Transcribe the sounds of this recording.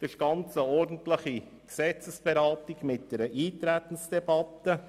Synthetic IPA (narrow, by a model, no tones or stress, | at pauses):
d̥ɪʃɡ̥ɑnt͡səɔɾdn̩tləχi | ksɛt͡səsb̥eɾɑːt̪ɪɡmɪt̚d̥ɛɾəʔiːt̪ɾæt̪ən̩sd̥ɛbɑtːə